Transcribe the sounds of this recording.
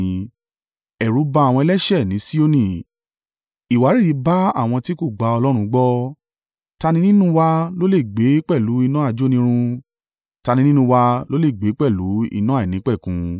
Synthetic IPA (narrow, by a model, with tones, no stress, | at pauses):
ɛ˨ɾu˨˦ba˧˦a˨wɔ̃˧ɛ˧˦lɛ˦ʃɛ˦˨nĩ˨˦si˦o˦nĩ˦˨ | i˨wa˨˦ɾi˦˨i˨˦ba˦a̰˦˨w̃ɔ̃˧ti˦ko˦˨ɡ͡ba˧ɔ˧lɔ˦ɾ̃ũ˧ɡ͡bɔ˦ | ta˧nĩ˧˦nĩ˦nũ˦wa˧lo˦le˦˨ɡ͡be˨˦k͡pɛ˦˨lu˨˦i˧nã˦a˦˨d͡ʒo˦nĩ˧˦ɾ̃ũ˧ | ta˧nĩ˧˦nĩ˦nũ˧wa˧lo˦le˦˨ɡ͡be˨˦k͡pɛ˦˨lu˨˦ḭ˧nã˦a˦˨i˨nĩ˨˦k͡pɛ˦˨kũ˧